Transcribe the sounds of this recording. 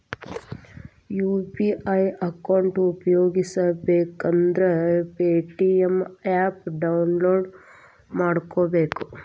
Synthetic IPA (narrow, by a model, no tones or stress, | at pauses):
juːpiʔɐjɐkɐwɳʈupɐjoːɡisabeːkɐnd̪ɾepeːʈiemaːpɖɐwnloːɖ | maːɽkoːbeːku